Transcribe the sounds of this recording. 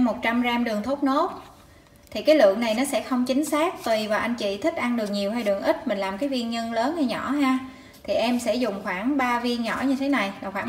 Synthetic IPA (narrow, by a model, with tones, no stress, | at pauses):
mo˨˩t̚t͡ɕa˧mzaː˧mɗɨ˨˩əŋt̪ʰo˦˥t̚no˦˥t̚ | t̪ʰi˨˩kaː˨˦jlɨ̰˧˨əŋna˨˩jnɔ˨˦sɛ̰˧˥xə˧wŋ͡mt͡ɕï˨˦ŋ̟saː˦˥k̚t̪wi˨˩vaː˨˩ʔa˧jŋ̟t͡ɕḭ˧˨t̪ʰï˦˥k̚ʔa˧nɗɨ˨˩ək̚ɲi˨˩əwɦa˧jɗɨ˨˩əŋʔï˦˥t̚mï˨˩ŋ̟laː˨˩mkaː˨˦jvi˧ənɲə˧nləː˨˦nha˧jɲɔ˧˩ɦaː˧ | t̪ʰi˨˩ʔɛ˧msɛ̰˧˥zʊ˨˩ŋ͡mxwaː˧˩ŋɓaː˧vi˧ənɲɔ̰˧˩ɲɨ˧t̪ʰe˨˦na˨˩jvaː˨˩xwaː˧˩